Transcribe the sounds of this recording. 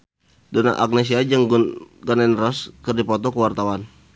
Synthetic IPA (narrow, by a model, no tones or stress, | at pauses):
dona̰ʔak̚nes̬iad͡ʒəŋɡanɛnrɔskɨrdipɔt̪ɔkəwart̪awan